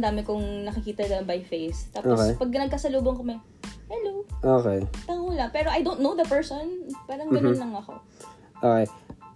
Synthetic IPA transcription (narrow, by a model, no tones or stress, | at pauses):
d̪aːmɪkʊŋnɐkɪkiːt̪ɐd̪ɐbɐjfejst̪aːpʔokpɐɡ̚nɐɡ̚kɐsɐluːboŋkɐmɛ | hɛloʔoːkɛjt̪ɐŋolɐpɛːɾoʔɐjd̪ownt̪nowd̪ɐpɛɹsonpaːɾɐŋɡɡɐnonlɐŋɐko̞̰ | ʔokɛj